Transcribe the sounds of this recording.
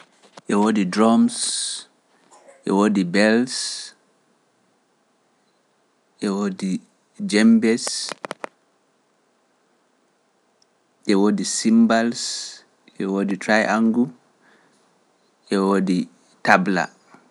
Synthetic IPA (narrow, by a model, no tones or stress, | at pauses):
ʔɛwoːdidɾɔms | ʔɛ̰woːdibɛls | ʔɛwoːdi | d͡ʒɛmbɛs | ʔɛwoːdisimbals | ʔɛwoːditɾajʔaŋɡu | ʔɛwoːdi | tabla̰